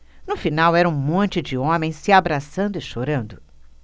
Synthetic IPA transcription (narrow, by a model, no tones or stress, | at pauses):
nʊfinawɛɾɐũmõnt͡ʃɪd͡ʒɪõmẽj̃sɪabɾasɐ̃nd̪ʊɪʃoɾɐ̃nd̪ʊ